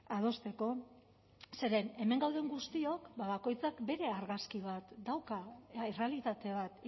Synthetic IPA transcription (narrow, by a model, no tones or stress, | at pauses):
að̞o̞st̪e̞ko̞ | se̞ɾe̞ne̞me̞ŋɡawð̞e̞ŋɡust̪io̞kbaβako̞jt͡sakbe̞ɾe̞aɾɣaskiβ̞at̪d̪awkaire̞alit̪at̪e̞β̞at̪